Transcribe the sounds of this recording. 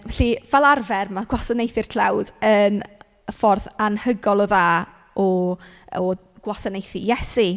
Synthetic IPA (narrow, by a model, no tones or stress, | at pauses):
vɛɬivɛlˠarvɛrmaɡ̥wasanejθɪrtʰlawdən | əfɔrθanhəɡɔlˠɔðaː | ɔ | ɔ | ɡ̥wasanejθijɛsi